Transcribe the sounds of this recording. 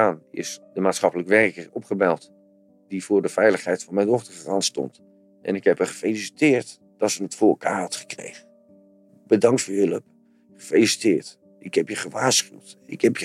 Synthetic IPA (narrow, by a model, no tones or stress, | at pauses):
aːnɪ̰sd̥əmaːtsχɑpələkʋɛrkərɔpχəbɛlˠt | d̥ivʊːɹdəfɛjləχɦɛjtfɑnmɛjndɔχtərrɑntstɔ̰nt | ʔɛ̰nɪkhɛpɦəχəfejlisi̥tɪːɹt | d̥ɑtsənətfʊːɹəlˠkʰa̰ːrɦɑtχə̥krḛjχə | b̥ədɑŋktfoːjɵləp̚ | χəfelisi̥tɪːɹt | ɪkhɛpjəχəʋaːɹsχywtɪkhɛpjə